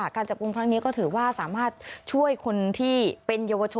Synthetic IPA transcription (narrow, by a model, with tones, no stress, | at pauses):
kaː˧nt͡ɕa˨˩p̚ku˧ŋkʰɾa˦˥ŋni˦˥kɔː˥˩t̪ʰɯː˩˦waː˥˩sa̰ː˩˦maː˥˩t̪̚t͡ɕʰu˥˩əjkʰo˧nt̪ʰiː˥˩pe˧njaː˧wa˧t͡ɕʰo˧